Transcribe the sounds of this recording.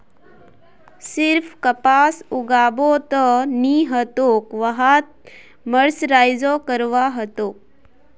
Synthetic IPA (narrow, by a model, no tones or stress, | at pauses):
siɾfʰkəpaːsuɡaːbot̪əniɦət̪okʋəɦat̪̚ | məɽsɾaːjd͡ʒokəɾʋaɦət̪oːk̚